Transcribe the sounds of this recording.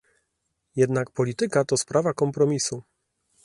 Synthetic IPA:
jɛd̪nak̚pɔlʲit̪ɘkat̪ɔspɾavakɔmpɾɔmʲisu

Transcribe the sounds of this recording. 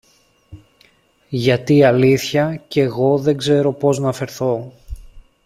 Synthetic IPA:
ʝɐt̪iɐliθçɐce̞ɣo̞ðe̞ŋɡze̞ɾo̞po̞znɐfe̞ɾθo̞

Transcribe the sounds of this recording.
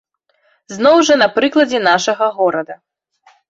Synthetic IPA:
znɔwʐɐnɐpɾɨklˠɐd͡zʲɛnaʂɐɣɐɣɔɾɐd̪ɐ

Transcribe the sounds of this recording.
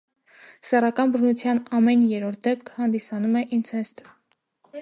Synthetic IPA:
sɛrɑkɑnbərnut͡sʰjɑnɑmɛnjɛɾɔɾt̪̚d̪ɛp̚kʰhɑnd̪isɑnumɛʔint͡sʰɛst̪

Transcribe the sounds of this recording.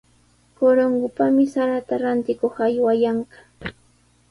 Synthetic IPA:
koɾoŋɡʊpamɪsaɾat̪aɾant̪ɪkoχajwajaɴɢɑ̥

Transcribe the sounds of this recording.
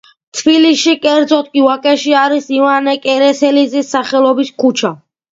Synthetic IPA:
t̪ʰbiliʃikʼɛɾd̪zɔt̪̚ʰkʼiwakʼɛʃiaɾisivanɛkʼɛɾɛsɛlizisːaχɛlˠɔbiskʰut͡ʃʰa

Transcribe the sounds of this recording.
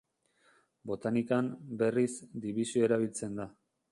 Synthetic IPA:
bo̞t̪anikambe̞rizd̪iβisio̞eɾaβ̞ilt͡se̞nd̪a

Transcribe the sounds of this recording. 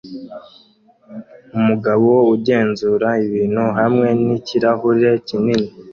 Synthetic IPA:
umuɡaβowo̞uɟe̞ːnzuːɾaiβiːn̥huɦamŋe̞niciɾaɦuɾɾe̞cinini

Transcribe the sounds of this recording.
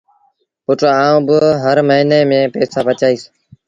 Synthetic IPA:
ʊʈːaːũːbəɦəɾməɦiːneːmẽːpeːsaːpət͡ʃaːiːs

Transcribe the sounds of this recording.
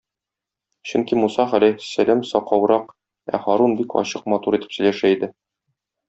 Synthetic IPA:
ɕɵŋkimusɑχælæsælæmsɒqɒwɾɑq | æ̰χɑɾunbikɒ̰ɕɤq̚mɑt̪uɾit̪ɘ̥ps̆jlæʃæid̪ɘ

